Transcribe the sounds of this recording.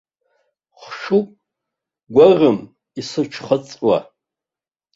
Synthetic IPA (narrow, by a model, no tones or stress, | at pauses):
χʂupʼ | ɡʷarɨm | isɨʈ͡ʂʰχət͡sʼwa̰